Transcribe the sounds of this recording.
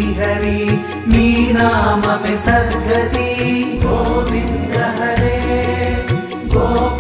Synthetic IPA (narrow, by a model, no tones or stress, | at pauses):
iɦɐɾi | miːnaːmɐmẽsɐɾɡʱɐt̪iɡoːmɪnɖɐɦɐɾe | ɡoː